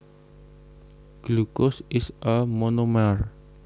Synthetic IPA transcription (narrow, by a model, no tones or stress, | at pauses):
ɡ̥lukʊsɪsəmonumar